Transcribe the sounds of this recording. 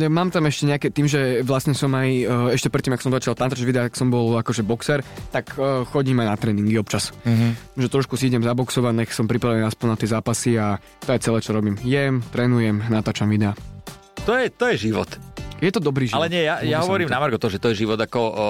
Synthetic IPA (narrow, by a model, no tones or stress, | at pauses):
maːmt̪amɛʃcɛɲɛakɛt̪iːmʒɛʋlasɲɛsɔmajɛʃcɛpɾɛt̪ːimaksɔmzat͡ʃalˠt̪ant̪ad͡ʒʋid̪ɛat̪ḁksɔmbɔlakɔʒɛbɔksɛɾt̪akːxɔɟiːmajnat̪ɾɛːniŋɡiɔpt͡ʃas | ʒɛt̪ɾɔʃkusiiɟɛmzabɔksɔʋanɛxsɔmpɾipɾaʋɛniaspɔnnat̪ɛzaːpasia | t̪ɔjɛt͡sɛlɛːt͡ʃɔɾɔbiːmjɛmt̪ɾɛːnujɛmnat̪aːt͡ʃamʋid̪ɛa | t̪ɔjɛt̪ɔjɛʒiʋɔ̰t̪jɛt̪ɔd̪ɔbɾiːʒialɛɲɪɛjajaɦɔʋɔɾiːmnamaɾɡɔt̪ɔmʒɛt̪ɔjɛʒiʋɔd̪akɔ